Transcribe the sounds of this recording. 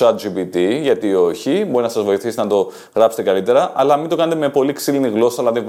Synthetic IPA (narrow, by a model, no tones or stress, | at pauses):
ɐd͡ʒibit̪iʝɐt̪io̞çibo̞ɾinɐsɐzvo̞iθist̪nɐt̪o̞ | ɣɾɐpset̪ekɐlit̪e̞ɾɐʔɐlɐmint̪o̞kɐne̞t̪e̞me̞po̞liksiliniɣlo̞sɐelɐði